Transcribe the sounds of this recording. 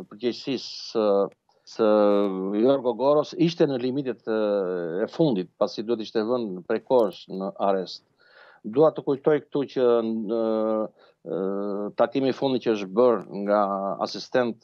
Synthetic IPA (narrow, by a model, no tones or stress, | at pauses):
pəɾɟɛcsisə | səjɔɾɡɔɡɔɾɔsiʃt̪ɛnəlimit̪ɛt̪ | ɛfund̪it̪̚pasid̪uɛt̪̬i̥ʃt̪ɛvənpɾɛkɔɾsnəʔaɾɛst̪̚ | d̪uat̪əkujt̪ɔjk̚t̪ucə | t̪akimifund̪it̪cəəʃbəɾŋɡaa̰sist̪ɛnt̪